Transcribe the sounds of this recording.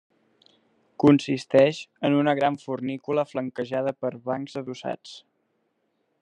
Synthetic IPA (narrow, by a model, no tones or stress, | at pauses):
kunsist̪ɛʃənunəɣɾaɱfurnikuləfləŋkəʒaðəpəɾβaŋzəðusa̰t͡s